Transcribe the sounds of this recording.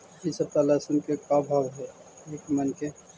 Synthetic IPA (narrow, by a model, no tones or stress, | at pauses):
isəb̚t̪alasunkekabʱabɦe | ekmənke